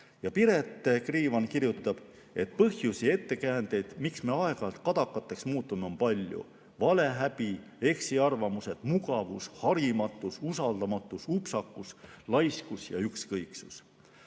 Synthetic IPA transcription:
jɑpiɾe̞t̪ːˑekriːvɑnkiɾjut̪ːˑɑb̥ | e̞t̪̚pɤhjusie̞t̪ːe̞kæːnd̪̥e̞jd̪̥miksme̞ɑe̞ɡɑlt̪̚kɑd̪̥ɑkˑːɑt̪ːˑe̞ksmuːt̪ːˑumeo̞mpɑlʲjṵ | vɑle̞ɦæb̥i | e̞ksiɑrvɑmuse̞d̪̥muɡɑvushɑɾimɑt̪ːˑususɑld̪̥ɑmɑt̪ːˑusupsɑkːˑuslɑjskusjɑ̰ykskɤjksus

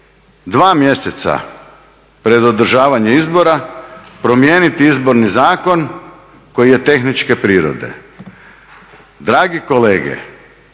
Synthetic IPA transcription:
d̪ʋaːmje̞se̞t̪sa̰ | pɾe̞d̪o̞d̪ɾ̩ʒaːʋaɲeizbo̞ɾapɾo̞mjeːnit̪iizbo̞ɾnizaːko̞n | ko̞jije̞t̪e̞xnit͡ʃke̞pɾiːɾo̰d̪e̞̰ | d̪ɾaːɡiko̞le̞ːɡḛ

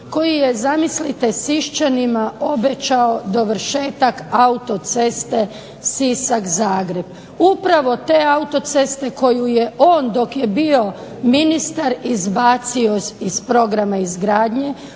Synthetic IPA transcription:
ko̞jijezamislit̪esiʃt͡ɕanimao̞be̞t͡ɕaod̪o̞ʋɾ̩ʃe̞ːt̪akaut̪o̞t̪se̞st̪e̞ | sisakzaːɡɾe̞b | upɾaʋo̞t̪e̞aut̪o̞t̪se̞st̪e̞ko̞juje̞ʔo̞ːnd̪o̞kje̞bio̞minist̪aɾizbaːt̪sio̞sispɾo̞ɡɾamaizɡɾaːd̪ɲe̞

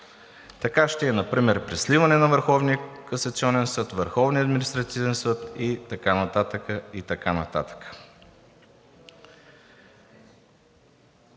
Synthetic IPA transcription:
t̪ɐkaʃt̪ɛːnɐpɾimɛɾpɾɛslivɐnɛnɐvəɾxɔvnijəkɐsɐt̪siɔnɛnsɤt̪vəɾxɔvniəɐd̪minist̪ɾɐt̪ivɛnsɤt̪it̪ɐkanɐt̪at̪əkəit̪ɐkanɐt̪a̰t̪ə̥kə̥

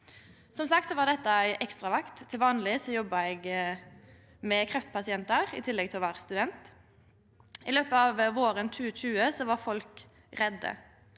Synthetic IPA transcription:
sɔmsɑk̚t̪sɔʋɑʁd̪ɛt̪ːəæɪʔɛkst̪ʁɑʋɑkt̪ʰːɪlʋɑːnlɪsɔjɔbɑɛɡ | mɛkʰɾɛft̪pʰɑsɪɛnt̪əɾɪ̰t̪ʰɪlːɛɡ̚t̪ʰɪlʋɑːʁst̪ʉd̪ɛnt̪ | ɪløːpəɑʋʋoːɾənt͡ʃʉːt͡ʃʉːəsɔʋɑɾfɔlk | ɾɛd̪ːə̰

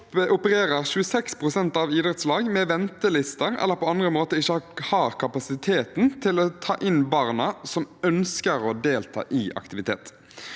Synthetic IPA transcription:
ʔʊpəʁeːʁəʁɕʉəsɛkspʰʁʊsɛnt̪ɑʋiːd̪ʁɛt̪slɑːɡmɛʋɛnt̪əlɪst̪əʁɛ̰lːəʁpʰɔɑnd̪ʁəmoːt̪əɪçəhɑːʁkʰɑpɑsɪt̪ʰeːt̪nt̪ʰɪlot̪ʰɑ̰ːʔɪnbɑːʁnɑsɔmœnskəɾod̪eːlt̪ʰɑ̰ːʔɪʔɑ̰kt̪ɪʋɪt̪ʰeːt̪

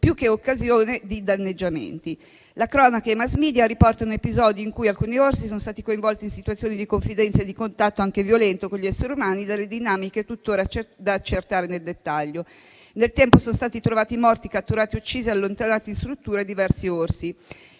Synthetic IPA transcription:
pjukːeokːazjoːned̪id̪anːed͡ʒːamḛnt̪i | lakɾɔːnakaemazmiːd̪jaɾipɔrt̪anoepizɔd̪ioiŋkujalkuːniorsisonost̪aːt̪ikoiɱvɔlt̪iːnsit̪wat̪sːjoːnid̪ikoɱfid̪ɛnt̪saed̪ikont̪at̪ːoaŋkevjolɛnt̪okonlʎiɛsːeɾiumaːnid̪alːed̪inaːmiket̪ut̪ːoːɾat͡ʃd̪aːt͡ʃːert̪aːɾeneld̪et̪ːaʎːo | nelt̪ɛmposonost̪aːt̪it̪ɾovaːt̪imɔrt̪ikat̪ːuɾaːt̪iut͡ʃːiːziealːont̪anaːt̪inst̪ɾut̪ːuːɾad̪ivɛrsiorsi

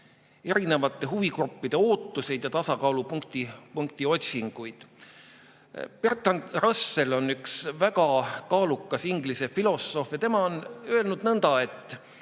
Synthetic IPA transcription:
e̞ɾine̞vɑt̪ˑːe̞ɦuviɡrupːid̪̥e̞o̞ːt̪ˑːuse̞jd̪jɑt̪ɑsɑkɑlupuŋkt̪ipuŋkt̪io̞t̪ʲsiŋɡ̥ujd̪̥ | pert̪ːˑɑnrɑsːe̞lo̞nːyksvæɡɑkɑːlukːˑɑsiŋɡlise̞filo̞so̞fjɑt̪e̞mɑo̞nøelnud̪̥nɤnd̪̥ɑe̞t̪ːˑ

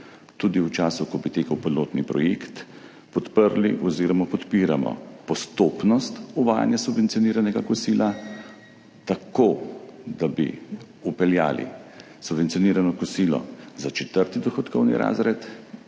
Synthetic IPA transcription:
t̪ud̪iwt͡ʃaːsukɔbit̪eːkawpiloːt̪nipɾɔjekt̪ | pɔt̪pəɾliʔɔziːɾɔmapɔt̪piːɾa̰mɔ̰pɔst̪oːpnɔst̪uʋaːja̰njasubʋɛnt̪sijɔniːɾanɛɡakɔsiːla | t̪akod̪abḭ | upɛlja̰ːlḭ | subvɛnt̪sijɔniːɾanɔkɔsilɔ̰zat͡ʃɛt̪əɾt̪id̪ɔxɔt̪kɔwnḭɾʔa̰ːzɾɛt̪

